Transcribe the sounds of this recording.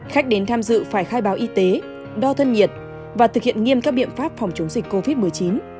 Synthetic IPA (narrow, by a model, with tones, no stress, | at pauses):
xa˦˥jk̟̚ɗe˨˦nt̪ʰaː˧mzɨ̰˧˨faː˧˩jxaː˧jɓaː˨˦wʔi˧t̪e˨˦ | ɗɔ˧t̪ʰə˧nɲi˨˩ət̚ | vaː˨˩t̪ʰɨ˨˩k̚hḭ˧˨ənŋi˧əmkaː˦˥k̚ɓḭ˧˨ənfaː˦˥p̚fɔ˨˩wŋ͡mt͡ɕə˨˦wŋ͡mzi˨˩k̟̚ko˧vi˦˥t̚mɨ˨˩əjt͡ɕi˨˦n